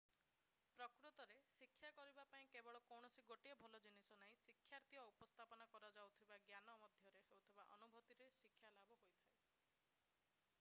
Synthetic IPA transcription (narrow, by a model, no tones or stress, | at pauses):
pɾɔkɾut̪ɔɾesikʰːjakɔɾibapaĩkebɔɭɔkɔwɳ̃ɔsiɡoʈiebʱɔlɔd͡ʒinisɔnaĩsikʰːjaɾt̪ʰiɔupɔst̪ʰapɔnakɔɾɔd͡ʒawt̪ʰibaɡjanɔmɔd̪ʱjɔɾeɦewt̪ʰibaʔɔnubʱɔt̪iɾesikʰːjalabɔɦojt̪ʰae